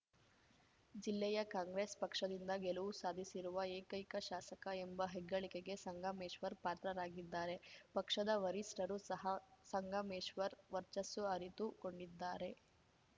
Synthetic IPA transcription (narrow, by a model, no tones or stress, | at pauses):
d͡ʒilːɛjɐkaːŋɡɾeːspɐkʂɐd̪ind̪ɐɡeluʋusaːd̪ʱisiɾuʋɐeːkɐjkɐʃaːsɐkɐembɐɦɛɡːɐɭike̞ɡe̞sɐŋɡɐmeːʃʋɐɾpaːt̪ɾɐɾaːɡid̪ːaːɾe̞pɐkʂɐd̪ɐʋɐɾisʈɐɾusɐɦɐsɐŋɡʱɐmeːʂʋɐɾʋɐɾt͡ʃɐsuɐɾit̪uko̞ɳɖid̪ːaːɾe̞